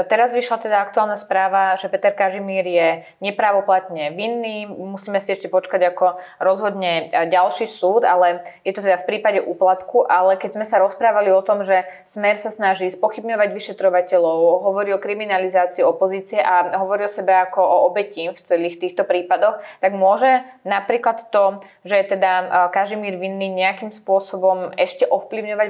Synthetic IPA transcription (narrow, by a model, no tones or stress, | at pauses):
t̪ɛɾazʋiʃlat̪ɛd̪aakt̪uaːlˠnaspɾaːʋaʒɛpɛt̪ɛɾkaʒimiːɾjɛ | ɲɛpɾaːʋɔplat̪̚ɲɛʋinːiːmusiːmɛsiɛʃcɛpɔt͡ʃkaɟakɔɾɔzɦɔd̪ɲɛɟalʃiːsuːd̪alɛjɛt̪ɔt̪ɛd̪afpɾiːpaɟɛʔuːplat̪kuʔalɛkɛzmɛsaɾɔspɾaːʋaliɔt̪ɔmʒɛ | smɛɾsasnaʒiːspɔxibɲɔʋaɟʋiʃɛt̪ɾɔʋacɛʎɔʊɦɔʋɔɾiːɔkɾiminalizaːt͡siiɔpɔziːt͡siɛʔaɦɔʋɔɾiɔsɛbɛakɔɔɔbɛcift͡sɛliːxt̪iːxt̪ɔpɾiːpad̪ɔxt̪aɡmʊɔʒɛnapɾiːklat̪t̪ɔ | ʒɛt̪ɛd̪akaʒimiːɾʋinːiɲɛakimspʊɔsɔbɔmɛʃcɛʔɔfpliʊɲɔʋa